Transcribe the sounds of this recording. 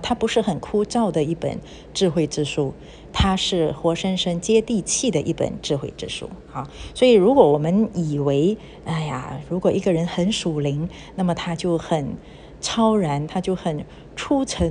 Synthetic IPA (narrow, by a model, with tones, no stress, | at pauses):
t̪ʰa˥pu˧˥ʂɻ̩˥˩xə˨˩nkʰu˥ʈ͡ʂɑ˥˩ʊd̪ə˩i˥˩pə̰˨˩n | ʈ͡ʂɻ̩˥˧xwe˥˧ɪʈ͡ʂɻ̩˥˧ʂu˥˩ | t̪ʰa˥ʂɻ̩˥˩xwɔ˧˥ʂə˥nʂə˥ŋt͡ɕjɛ˥t̪i˥˧t͡ɕʰi˥˩d̪ə˩ʔi˥˩pə̰˨˩nʈ͡ʂɻ̩˥˧xwe˥˩ɪʈ͡ʂɻ̩˥˧ʂṵ˥˩ | a˥˩swɔ˧˥i˨˩ɻu˧˥kwɔ˧˥wɔ˨˩mə˦ni˨˩we˧˥ɪ | a˥˩ɪja̰˨˩ɻu˧˥kwɔ˨˩ʔi˧˥ɡə˧ɻə˧˥nxə˧˥nʂu˨˩li˧˥ŋ | na˥˩mə˩t̪ʰa˥t͡ɕjo˥˩ʊxə˨˩n | t͡sʰɑ˥ʊɻa˧˥nt̪ʰa˥t͡ɕjo˥˩ʊxə˨˩n | ʈ͡ʂʰu˥t͡sʰə˧˥